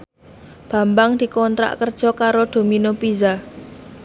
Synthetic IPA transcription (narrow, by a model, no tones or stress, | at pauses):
b̥a̤mbaŋd̪̥i̤kɔnt̪ɾa̰ʔkərd̥ʒ̥ɔ̤kaɾod̪̥o̤minopiza